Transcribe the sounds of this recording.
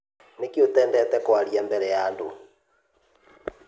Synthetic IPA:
nekiot̪ɛːndɛt̪ɛkwaɾiambɛɾɛjaːndo̰

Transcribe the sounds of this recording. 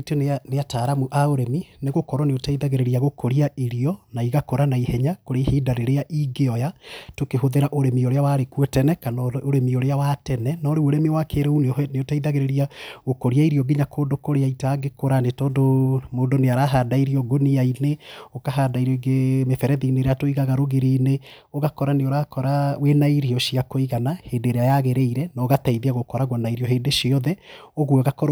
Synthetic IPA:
eteneataːɾamuʔaoɾɛmineɣokɔɾɔneotaiðaɣeɾeɾiaɣokʰoɾiaiɾiɔnaiɣakoɾanaihɛɲakoɾehiːdaɾeɾeaʔiɡeɔjatokeɦoðeɾaʔoɾɛmioɾeawaɾekuɛtɛnɛkanɔoɾɛmioɾeawatɛnɛnɔɾeoɾɛmiwakeɾɛunneotaiðaɣeɾeɾiaɣokɔɾiaiɾiɔɡiɲakoːndokoɾeaitaːɡekoɾanetɔːndomoːndoneaɾaɦadaiɾiɔɡoniaineokaɦadaiɾeɡemefɛɾɛðineɾeatoiɣaɣaɾoɣeɾine | oɣakɔɾaneoɾakɔɾawenaiɾiɔʃiakoiɣanaheːndeɾeajaɣeɾeiɾɛnaɣataiðiaɣokɔɾaɣwɔnaiɾiɔɦeːndeʃiɔðɛoɣuɔɣakɔɾ

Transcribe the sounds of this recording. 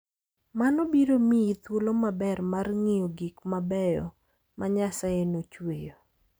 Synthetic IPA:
manɔbiɾomiit̪wolomabɛrmarŋijoɡikmabɛjɔ̰ | maɲasaenot͡ʃwejo

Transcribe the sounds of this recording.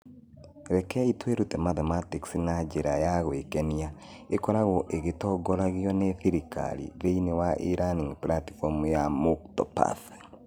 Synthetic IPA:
ɾɛkɛitweɾutɛmaθɔmatiksinad͡ʒeɾajaɣwekɛnia | ekɔɾaɣɔʔeɣetɔɡɔɾaɣjɔneθiɾika̰lḭðeinewaʔiɾaniŋplati̥fɔmujamuktɔ̰pa̰θ

